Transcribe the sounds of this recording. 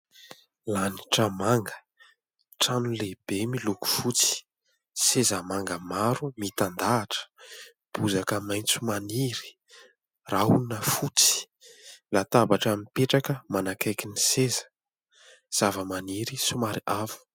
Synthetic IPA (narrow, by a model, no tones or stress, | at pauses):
laniʈ͡ʂamaŋɡə̥ | ʈ͡ʂanuleb̥emiluku̥fut͡si̥ | sezəmaŋɡəmaɾumit̪and̪aːʈ͡ʂə̥ | b̥uzakəmajnt͡sumaniɾi̥ | raunəfut͡si̥ | lat̪abaʈ͡ʂamipeʈ͡ʂakəmanakajkinisezə̥ | z̥avəmaniɾisumaɾiʔavu̥